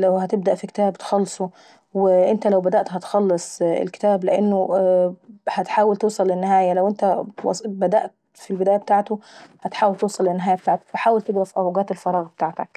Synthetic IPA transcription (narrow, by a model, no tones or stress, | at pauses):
læwhæt̪eb̚d̪æʔfiket̪æːbt̪xɑlːsˤo | wɪʔent̪ælæwbæd̪æʔt̪hæt̪xɑlːesˤḛlke̥t̪æːbleʔenːo | hæt̪ħaːwælt̪eːsˤɑlːʔɪnːɪɦæːjælæwʔent̪æwɑ̰sbæd̪æ̰ʔt̪ | filbɪd̪æːjæb̚et̪aːʕt̪ohæt̪ħaːwælt̪ewsˤɑlːɪnːɪɦæːjæb̚t̪aʕt̪æ̥kfaħaːwælt̪eɡɾæfʔæwɡæːt̪elfɑɾˤɑːɣbt̪aːʕt̪æ̰k